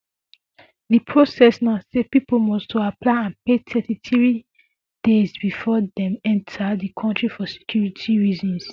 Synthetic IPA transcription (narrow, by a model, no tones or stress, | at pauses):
ðipʰɹosɛsnasepipomɔstʰoaplaɪãnpetʰɛtitɹi | d̥ezbifɔdɛ̃mɛ̃ntʰaðikʰɔ̃ntɹifɔse̥kʰjuɹitʰiɹizɔ̃ns